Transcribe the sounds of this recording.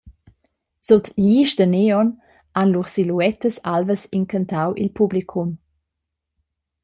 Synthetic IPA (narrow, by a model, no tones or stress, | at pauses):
sot̪ʎiːʃd̪əneɔn | anluʁsiluɛt̪əsalvəsiŋkʰənt̪awʔḭlpʰublikʰum